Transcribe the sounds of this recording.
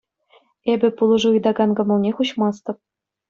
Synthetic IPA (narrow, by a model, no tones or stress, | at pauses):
ebʲɘ̆pulˠɤ̆ʐɤɯjd̪ɑɡɑnɡɤ̆mɤ̆lˠnʲeχuɕmɑst̪ɤ̆p̚